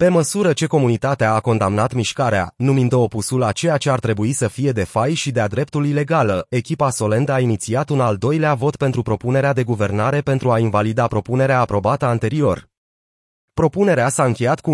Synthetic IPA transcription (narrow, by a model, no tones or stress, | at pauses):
pe̞məsuɾət͡ʃe̞ko̞munit̪at̪eaːko̞nd̪amnat̪miʃkaɾea̰numind̪əopusulat͡ʃe̞jat͡ʃe̞art̪ɾe̞buisəfije̞d̪e̞fajʃid̪ead̪ɾe̞pt̪ulile̞ɡaləe̞kʲipaso̞le̞nd̪əainit̪siat̪unald̪o̞jleavo̞t̪pe̞nt̪ɾupɾo̞pune̞ɾead̪e̞ɡuve̞rnaɾe̞pe̞nt̪ɾuainvalid̪apɾo̞pune̞ɾeaːpɾo̞bat̪əant̪e̞ɾio̞r | pɾo̞pune̞ɾeasaɨŋkʲe̞jat̪ku